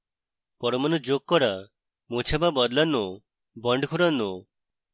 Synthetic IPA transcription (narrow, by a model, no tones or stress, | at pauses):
pɔɾɔmanud͡ʒok̚kːɔɾa | mot͡ʃʰababɔd̪lano | bɔɳɖkʰuɾano